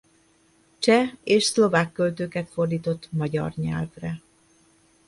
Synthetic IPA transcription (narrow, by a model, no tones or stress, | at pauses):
t͡ʃɛeːʃslo̞vaːkːølt̪øːkɛt̪fo̞rd̪iːt̪o̞t̪ːmɒɟɒ̰rɲɛ̰lvrɛ